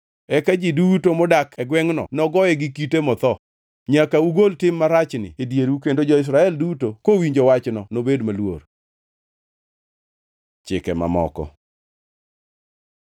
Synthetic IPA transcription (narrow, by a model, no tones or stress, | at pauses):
ɛkad͡ʒidutomɔdakɛɡwɛŋnɔ̰nɔɡɔɛɡɪkitemɔt̪ɔ | ɲakauɡoltɪmːaɾat͡ʃnɪ̰edjeɾukendod͡ʒɔɪs̬ɾaɛldutokowiɲd͡ʒowat͡ʃnɔnobedmalwo̰r | t͡ʃɪkɛma̰mɔ̰kɔ̰